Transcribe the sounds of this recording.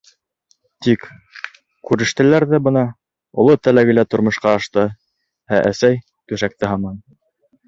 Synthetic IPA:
t̪ik | kʉɾɘ̆ʃt̪æ̆læɾðæbɤ̆nɑ | ŏlˠot̪ælæɡɘ̆læt̪ŏɾmŏʃqɑːɑʃt̪ɤ | æʔæ̰sæj | t̪ʉʃæk̚t̪ɘɦɑmɑn

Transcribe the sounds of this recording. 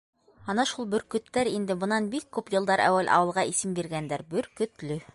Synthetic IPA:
ɑnɑʃulˠbɵ̆ɾkɵ̆t̪ːæɾind̪ɘboɤ̆nɑnbikːʉpjɤ̆lˠd̪ɑɾæ̰wælʔɑ̰wɤ̆lˠʁɑisɘmbiɾɡænd̪æɾbɵɾkɵ̆t̪lɵ

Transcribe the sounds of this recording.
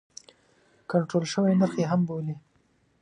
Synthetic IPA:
kaɳʈɾolʃəwenəɾxeɦamboli

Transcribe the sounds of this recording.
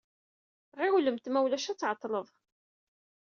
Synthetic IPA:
ʁɪwləmt̪mæwlæʃæt͡sːʕɑt̪ˤːləðˤ

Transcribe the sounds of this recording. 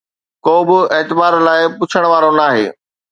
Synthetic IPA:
koːbɪeːt̪ɪbaːɾlaːɪpʊt͡ɕʰəɽ̃ʋaːɾonaːɦḛː

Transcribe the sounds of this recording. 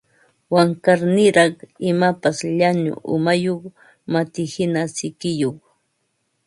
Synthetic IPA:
waŋkaɾnɪɾɑχɪmapasʎaɲʊ̰ʔʊ̰majoχ | mat̪ɪhɪnasɪkɪjoχ

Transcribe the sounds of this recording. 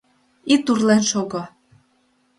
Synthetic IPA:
it̪urlenʃoɣo

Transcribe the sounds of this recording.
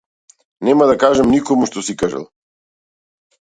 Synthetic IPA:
nɛmad̪akaʒamnikɔmuʃt̪ɔsikaʒa̰lˠ

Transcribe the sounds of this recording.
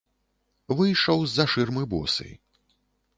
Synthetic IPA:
vɨjʂɐwzːɐʂɨrmɨbɔ̰sɨ̰j

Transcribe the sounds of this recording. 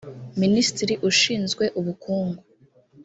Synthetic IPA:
ministɾiʔuʃiːnzɡwe̞ʔuβukuːŋɡu

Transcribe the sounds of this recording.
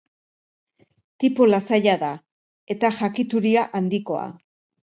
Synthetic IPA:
t̪ipolasaʎaða | e̞t̪aʝakit̪uɾiaʔand̪iko̞a̰

